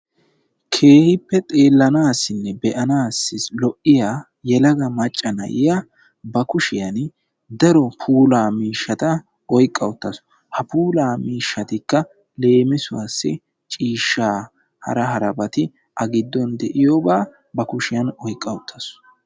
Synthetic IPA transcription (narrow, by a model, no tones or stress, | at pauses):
kʰe̞ːhɪpːɛt̪ʼe̞ːlːɐnaːsːɪnːɛbɛʔɐnaːsːɪslɔʔɪjaː | jɛlɐɡɐmɐt͡ʃʼːɐnɐ̰jɪja | bɐkʊʃɪjɐn | d̪ɐɾɔpʰuːlaːmiːʃːɐt̪ɐ | ɔjkʼːɐwʊt̪ːɐsɔ̥ | hɐpuːlaːmiːʃːɐt̪ɪkːɐ | le̞ːmɪsʊwasːɪ̰ | t͡ʃʼiːʃːaː | hɐ̰ɾɐɦɐɾɐbɐt̪ɪ | ʔɐɡɪd̪ːɔnd̪ɛʔɪjoːbaː | bɐkʊʃɪjɐnɔjkʼːɐwʊt̪ʰːɐs